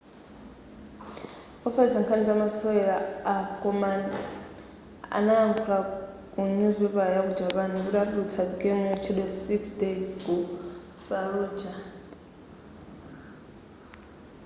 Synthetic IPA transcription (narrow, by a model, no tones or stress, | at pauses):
ɔfatʰaŋkʰanizamasɔɛlaakʼɔman | a̰naːmpʰula | kʼuɲuzwɛβajaku̥d͡ʒaβaniuɗaɗut͡sʰaɡɛŋɛt͡ʃʰiɗwɛsiksdejzkʼu | faɾuːd͡ʒa